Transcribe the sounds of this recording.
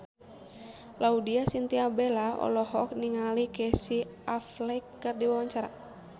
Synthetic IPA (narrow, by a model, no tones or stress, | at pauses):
laudiasint̪iabɛlaɔ̰lɔɦɔk̚niŋalikɛsiaflɛikːɨrdiwawaɲt͡ʃaɾa̰